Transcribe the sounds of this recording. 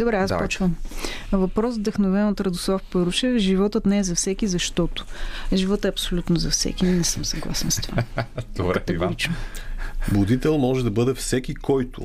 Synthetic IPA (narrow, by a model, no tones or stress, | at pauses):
d̪obɾɛaspɔt͡ʃvɐmvɐpɾɔsvd̪ɐxnovɛnot̪ɾɐd̪ʊslˠafpɤɾvʊʃɛʒivɔt̪ət̪nɛːzɐfsɛkizɐʃt̪ɔt̪ʊ̥ʒivɔt̪ɛɐpsolʲut̪nʊzɐfsɛ̰k̟ʲinɛsəmsɐɡlˠa̰sɛnst̪va | kɐt̪ɛɡɾit͡ʃno | bʊd̪it̪ɛlˠmɔʒɛd̪ɐbɤd̪ɛfsɛkʲikɔjt̪ʊ̰